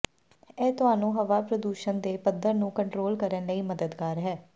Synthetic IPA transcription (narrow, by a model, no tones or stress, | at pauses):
ɛːt̪ʊɦaːnũːɦəʋaːpɾəd̪uːʃənd̪eːpəd̪əɾnũːkəɳʈɾoːlkəɾənləiːməd̪əd̪kaːɾɦɛː